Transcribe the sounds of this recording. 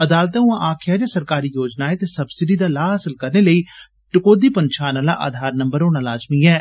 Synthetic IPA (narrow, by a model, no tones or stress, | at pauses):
əd̪aːlt̪ɛːũːãʔaːkʰɪjaːd͡ʒaːsəɾkaːɾiːjoːd͡ʒnaːeːt̪eːsəbsɪɖiːd̪aːlaːɦaːsəlkəɾneːləiː | ʈɪkoːd̪iːpənt͡ʃʰaːnaːla̰ːʔa̰ːd̪ʱaːɾnəmbəɾoːnaːlaːd͡ʒmiːɛː